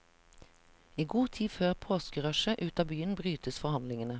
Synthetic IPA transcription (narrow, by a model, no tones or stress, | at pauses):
iːɡuːt̪ʰiːføːʁpʰoːskəʁœʃəʔʉːt̪ɑːbyːənbʁyːt̪əsfɔhɑnlɪŋənə